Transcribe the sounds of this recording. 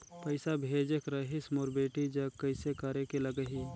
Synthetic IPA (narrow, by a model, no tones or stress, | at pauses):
pɐɪsabʱeːd͡ʒekɾɐɦismoɾbeːʈid͡ʒɐkɐɪsekəɾekeləɡəɦi